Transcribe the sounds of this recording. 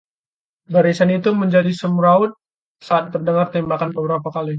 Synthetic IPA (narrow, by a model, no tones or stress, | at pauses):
baɾisanit̪uməɲd͡ʒadisəmuɾaʊt̪̚ | saːt̪̚ːərdəŋart̪ɛmbakanbəbəɾapakali